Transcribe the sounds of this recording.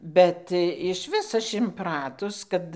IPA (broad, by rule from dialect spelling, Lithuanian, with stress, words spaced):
ˈbʲɛt ɪʃʲˈʋʲɪs ˈɐʃ ɪnˈprɑːtʊs ˈkɐt